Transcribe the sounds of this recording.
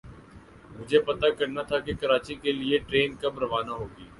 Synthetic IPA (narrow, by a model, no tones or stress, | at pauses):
mʊd͡ʒʱepɐt̪akɐɾnat̪ʰakekɐɾaːt͡ʃikelieʈɾeːnkabɾɐʋaːnaɦoːɡiː